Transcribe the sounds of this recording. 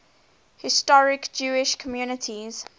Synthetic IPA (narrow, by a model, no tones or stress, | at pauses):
hɪstɔɹɪkd͡ʒuːɪʃkʰɔmjuːnɪtʰiz̥